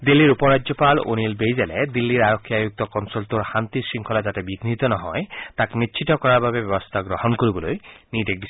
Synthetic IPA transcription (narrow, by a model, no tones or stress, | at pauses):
d̪ilːiɾupɔɹad͡ʒɔpalo̰nilbejzɛlɛd̪ilːiɾaɾɔkʰːiajuk̚t̪ɔkɔnsɔltuɹxant̪isɹiŋkʰɔlazatɛbiɡʱnit̪ɔnɔɦɔjt̪akmitːt͡ʃʰitɔkɔɹaɹbabebjɔbɔst̪ʰaɡɾɔhɔnkoɹibɔlojnidek̚bis